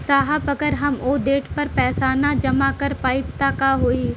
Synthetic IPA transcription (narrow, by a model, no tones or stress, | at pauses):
saːɦapəkəɾɦɐmoːd̪eːʈpɐɾpɛːsaːnad͡ʒɐmakəɾpaːɪpt̪aːkaːɦoːiː